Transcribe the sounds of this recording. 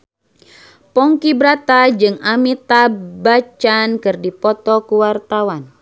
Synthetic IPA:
pɔŋkibɾat̪ad͡ʒɨŋamit̪abat͡ʃankɨrdipɔt̪ɔkuwart̪awan

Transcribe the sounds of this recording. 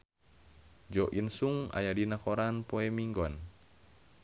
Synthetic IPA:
d͡ʒɔʔinsuŋa̰jadinakɔɾanpoɛmiŋɡɔn

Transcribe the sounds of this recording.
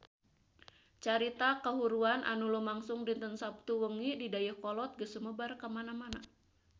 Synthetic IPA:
t͡ʃaɾit̪akəɦuɾuanʔa̰nulɔmaŋsʊŋdint̪ənsap̚t̪uwəŋididajəhkɔlɔt̪̚ɡəsəməbarkəmanamana

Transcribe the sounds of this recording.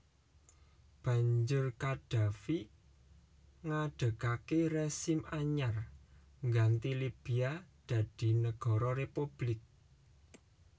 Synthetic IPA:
b̥ä̤ɲd͡ʒʊrkad̥a̤fi | ŋaɖ̥ə̤kakeresɪmaɲar | ŋɡant̪ilib̥iad̪̥a̤d̪̥i̤nəɡ̥ɔ̤ɾɔrepub̥lɪk̚

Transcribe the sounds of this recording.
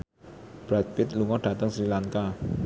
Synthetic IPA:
b̥ɾat̪̚pɪt̪̚luŋɔɖ̥ä̤t̪əŋsɾilaŋka

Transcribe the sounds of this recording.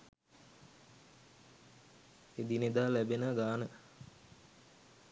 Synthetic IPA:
ed̪ined̪aːlæbenəɡaːnə

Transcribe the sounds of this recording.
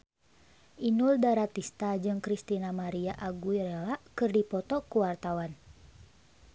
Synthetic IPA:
ʔinuldaɾat̪ist̪ad͡ʒɨŋkɾist̪inamaɾiaʔaɡuiɾɛlaʔkɨrdipɔt̪ɔkuwart̪awan

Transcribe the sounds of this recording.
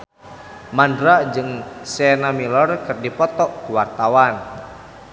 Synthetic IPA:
mandɾaʔd͡ʒɨŋsɛnamilɔrkɨrdipɔt̪ɔʔkuwart̪awan

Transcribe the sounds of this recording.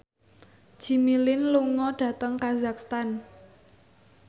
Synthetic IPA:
d͡ʒ̥i̤milɪnluŋɔɖ̥ä̤t̪əŋkazak̚st̪an

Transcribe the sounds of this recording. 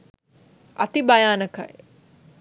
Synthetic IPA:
ɐ̰t̪ibɐjaːnəkʰɐe

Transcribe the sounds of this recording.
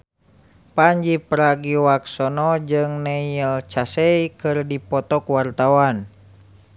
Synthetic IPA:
paɲd͡ʒipɾaɡiwaksɔnɔd͡ʒɨŋnɛilt͡ʃasɛjikɨrdipɔt̪ɔkwart̪awan

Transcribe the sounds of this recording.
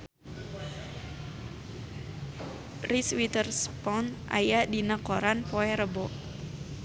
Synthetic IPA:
riswit̪ərspɔnʔa̰jadinəkoɾanpoɛɾəbɔʔ

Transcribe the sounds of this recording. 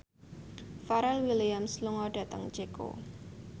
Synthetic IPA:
faɾɛlwiliamsluŋɔɖ̥ä̤t̪əŋt͡ʃeko̰

